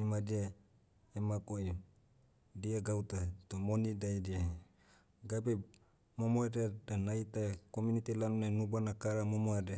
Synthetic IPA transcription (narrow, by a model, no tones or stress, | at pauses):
imadia | emakoi | diaɡaut̪at̪omonidajdia | ɡabe | momoedadanajt̪akomunit̪ilanunenubanakaɾamomoeda